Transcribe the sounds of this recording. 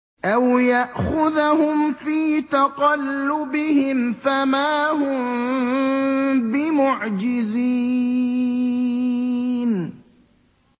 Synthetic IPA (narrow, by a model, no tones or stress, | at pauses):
ʔawjaʔxʊðhʊmfiːt̪ɑqɑlːʊbɪhɪmfamaːhʊm | bɪmʊʕd͡ʒɪzi | n